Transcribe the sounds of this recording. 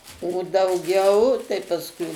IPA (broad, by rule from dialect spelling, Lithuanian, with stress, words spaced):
oː dɐʊˈɡʲɛʊ tɐɪ pɐsˈkʊɪ